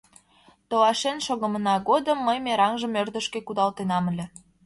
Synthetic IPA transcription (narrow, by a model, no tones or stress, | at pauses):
t̪oɑʃenʃoɣə̆mənɑɣod̪əmːəjmeɾɑŋʒə̆mørd̪ə̆ʃkĕkud̪ɑlt̪enɑmə̆lʲĕ